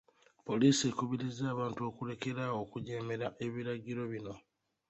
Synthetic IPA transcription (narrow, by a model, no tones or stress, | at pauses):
po̞liːsie̞kuβiɾizaːβaːntuo̞ːkule̞ke̞ɾaːwo̞ːkuɟeːme̞ɾaʔe̞βiɾaɟiɾo̞βino̞